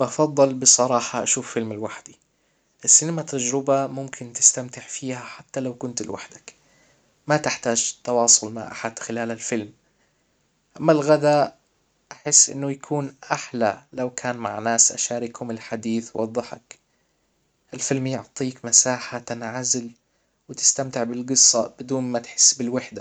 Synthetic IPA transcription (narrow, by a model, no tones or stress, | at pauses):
bɑfɑðˤːɨlbɨsˤɑɾˤɑːħɑʔaʃuːfːɪlmɪlwaħd̪i | ʔɪsːiːnamat̪ːad͡ʒɾɪbamʊmkʰɪnt̪ɪ̥st̪amt̪ɪħfiːhaħat̪ːalawkʊnt̪lwa̰ħd̪ak | mat̪ɪħt̪aːʒt̪ːɑwɑːsˤʊlmaʕʔa̰ħad̪̥xɪlaːlalfɪlm | ʔamːalɣad̪a | ʔaħɪsːʔɪ̰nːʊjakʰuːnʔaħlalawkʰaːnma̰ʕnaːsʔa̰ʃaːɾɪkhʊmɪlħad̪iːθwwɑ̰d̪ˤːɑħɑ̰k | ʔɪlfɪlmjʊʕt̪ˤiːkmasaːħat̪ɪnʕazɪl | wɪt̪ɪ̥st̪amt̪ɪʕbɪlɡɨsˤːɑb̥ɪd̪uːnmat̪ħɪ̥sːbɪlwɪħd̪a